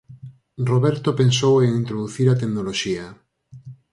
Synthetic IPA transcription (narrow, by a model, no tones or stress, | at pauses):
roβɛɾt̪opensoweŋĩnt̪ɾoðuθiɾat̪eknoloʃia